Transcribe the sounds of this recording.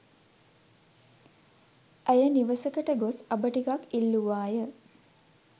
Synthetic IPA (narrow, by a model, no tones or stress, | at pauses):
əjəniʋəsəkəʈəɡosɐbəʈikakilːuʋaːjə